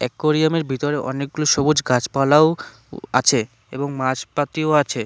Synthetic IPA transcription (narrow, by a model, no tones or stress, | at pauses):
ɛ̰kːoɾijameɾbʱit̪oɾeʔɔ̰nek̚ɡuloʃobud͡ʑɡad͡ʑpalao | a̰t͡ɕʰe | ḛboŋmad͡ʑpat̪ioat͡ɕʰe